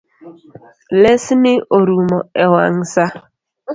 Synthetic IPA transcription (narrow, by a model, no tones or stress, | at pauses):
lesinɪʔoɾumɔewa̰ŋ̩sa